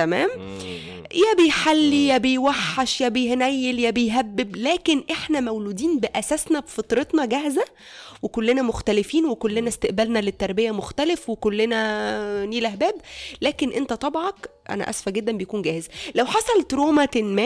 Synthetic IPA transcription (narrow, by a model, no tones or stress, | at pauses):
t̪æmæːm | jæbejħalːijæbejwæħːɑʃjæbejhnæjːeljæbejɦæbːeblæːkenʔeħnæmæwluːd̪iːnbeʔæsæsnæbefɑt̪ˤɾet̪nɑɡæhzæ | wekolːenæmoxt̪ælefiːnwekolːenæst̪eʔbælnælet̪ːɑɾˤbejæmoxt̪ælefwekolːenæniːlʔæhbæːblæːkenʔent̪æt̪ˤɑbʕɑkʔæ̰næ̰ʔæ̰sfæɡed̪ːæmbejkuːnɡæːhezælæwħɑsˤɑlt̪ɾoːmæt̪enmæː